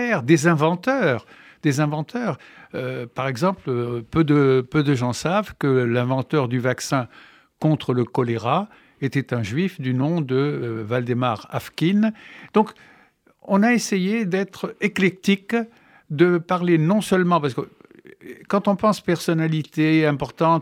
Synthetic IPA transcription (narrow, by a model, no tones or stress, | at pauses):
ɛʁd̪ezɛ̃vɑ̃t̪œʁ | d̪ezɛ̃vɑ̃t̪ʰœːʁøpaʁɛɡzɑ̃plpød̪əpød̪əʒɑ̃savkəlɛ̃vɑ̃t̪œʁd̪yvaksɛ̃ | kɔ̃t̪χələkɔleʁa | et̪ɛt̪ɛ̃ʒɥifd̪ynɔ̃d̪əvald̪emaʁa̰fkʲind̪̥ɔ̃k | ɔ̃naesejed̪ɛt̪χeklɛk̚t̪ik | d̪əpaʁlenɔ̃sœlmɑ̃pasə̥kə | kɑ̃t̪ɔ̃pɑ̃spɛʁsɔnalit̪eɛ̃pɔʁt̪ɑ̃t̪